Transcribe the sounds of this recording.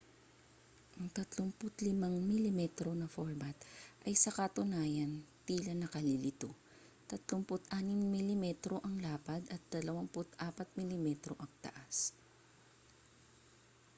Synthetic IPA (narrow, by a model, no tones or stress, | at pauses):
ʔɐŋt̪ɐt̪lompʊt̪lɪmaŋmɪlɪmɛt̪ɾo̞nɐfoɹbɐt̪ʔɐjsɐkɐt̪ʊnaːjɐnt̪iːlɐnɐkɐlɪlɪt̪o | t̪ɐt̪lompʊt̪ʔaːnɪŋmɪlɪmɛt̪ɾo̞ʔɐŋlaːpɐd̪ɐt̪̚d̪̥ɐlɐwaŋpʊt̪ʔaːpɐt̪̚mɪlɪmɛt̪ɾoʔɐŋt̪ɐ̰ʔas